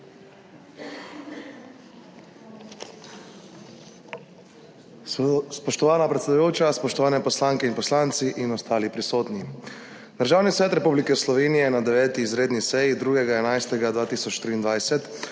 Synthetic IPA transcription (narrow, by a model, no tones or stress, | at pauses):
spɔʃt̪ɔʋaːnapɾɛt̪sed̪ujoːwt͡ʃaspɔʃt̪ɔʋaːnɛpɔslaːŋkɛinpɔslaːnt̪siʔinɔst̪aːlipɾisoːt̪ni | d̪əɾʒaːwnisʋɛːt̪ɾɛpublikɛslɔʋeːnijɛnad̪ɛʋɛːt̪iːzɾeːd̪nisɛjid̪ɾuːɡɛɡaɛnajst̪ɛɡad̪ʋaːt̪iːsɔt͡ʃt̪ɾiːnd̪ʋajsɛt̪